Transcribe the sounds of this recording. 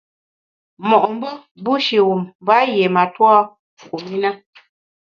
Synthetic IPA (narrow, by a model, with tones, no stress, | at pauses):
mɔ˨ʔɔ˨m˦bə˦ | bu˦ʃi˨wu˨mː˨ba˦je˨ma˨twɔ˦ | ku˨mi˦na˦